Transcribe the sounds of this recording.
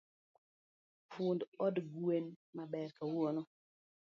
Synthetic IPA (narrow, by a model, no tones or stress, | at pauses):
fʊndɔdɡwenmabɛɾkawonɔ